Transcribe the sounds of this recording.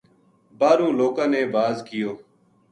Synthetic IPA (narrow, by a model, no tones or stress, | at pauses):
baːɾũːloːkãːneːbaːzkɪjoː